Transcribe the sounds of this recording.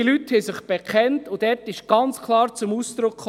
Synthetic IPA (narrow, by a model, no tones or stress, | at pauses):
ilythɛjsɪχb̥ɛkʰɛntʊd̥ɛɾtɪʃɡ̥ɑnt͡skʰlˠɑːɾt͡sʊmusd̪̥ɾʊkʰχ